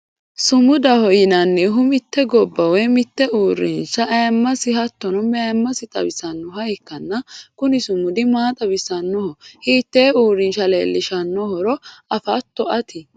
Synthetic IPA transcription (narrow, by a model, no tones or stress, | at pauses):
sʊmʊd̪ɐhɔjɪnɐnːɛɦʊmɪt̪ːɛɡɔbːɐwɛmɪt̪ːɛuːɾːɪnʃɐʔjɐmːɐsɪɦɐt̪ːɔnɔmɛjɐmːɐsɪt̪ʼɐ̰bɪsɐnːʊhɐjɪkːɐnːɐkʊnɪsʊmʊd̪ɪmaːt̪ʼɐbɪsɐnːɔhɔhiːt̪ːeːuːɾːɪnʃɐlḛːlːɪʃɐnːɔhɔɾɔɐfɐt̪ːɔʔɐt̪ʰɪ